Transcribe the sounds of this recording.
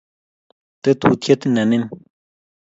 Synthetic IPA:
t̪e˦t̪u˧t̪ʰe˦t̪nɛ˨ne˦n

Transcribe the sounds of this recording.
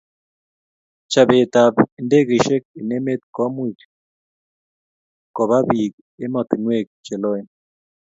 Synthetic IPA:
t͡ʃa˨βe˨t̪a˨pe˨nde˦ɣe˨ʃe˦k̚e˨ne˦me˦t̪̚kɔ˦mu˦i˨t | kɔ˨βa˦βi˨k̚ | e˦mɔ˨t̪i˨nwe˦˨k̚t͡ʃe˨lɔ˦e˨n

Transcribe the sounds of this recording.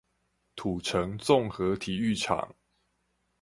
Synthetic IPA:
t̪ʰu˨˩ʈ͡ʂʰə˨˦ŋt͡so˥˨ŋxɤ˨˦t̪ʰi˨˩y˥˨ʈ͡ʂʰa̰˨˩˦ŋ

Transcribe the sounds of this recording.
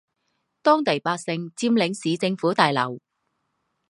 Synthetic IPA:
t̪ɔː˥ŋt̪e˨˩jpaː˧k̚sɪ˧ŋt͡siː˧mlɪ˨˥ŋsiː˨˥t͡sɪ˧ŋfuː˨˥t̪aː˨jlɐ̰˨˩w

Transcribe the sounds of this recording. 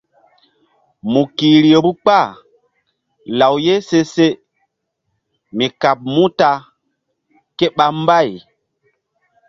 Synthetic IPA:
mu˨ki˨ɾi˨e˨bu˦k͡pa˦˨ | la˨wje˦se˦se˦ | mi˨ka˨p̚mũ˦ta˨ | ke˦ɓa˦m˦ba˦˨j

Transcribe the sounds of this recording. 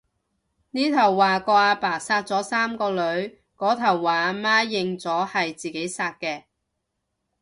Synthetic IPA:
niː˥t̪ʰɐ˨˩wːaː˨kɔː˧aː˧paː˨˩saː˧t̚t͡sɔː˨˥saː˥mkɔː˧lɵ˨˧ɥ | kɔː˨˥t̪ʰɐ˨˩wːaː˨˧maː˥jɪ˨ŋt͡sɔː˨˥hɐ˨jt͡siː˨ke˨˥jsaː˧t̚kɛː˧

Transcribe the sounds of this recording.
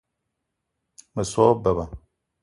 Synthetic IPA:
mə˨sɔ˦bə˨ba˨

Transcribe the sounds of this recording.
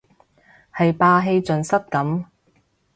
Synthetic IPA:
hɐ˨jpaː˧ɦe˧jt͡sɵ˨nsɐ˥t̚kɐ˨˥m

